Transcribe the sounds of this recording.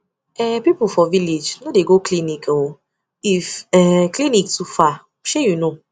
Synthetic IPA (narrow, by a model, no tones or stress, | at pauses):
ɛpipufɔviled͡ʒnodeɡoklinĩkwo | ifɛklinĩktufa | ʃejunõ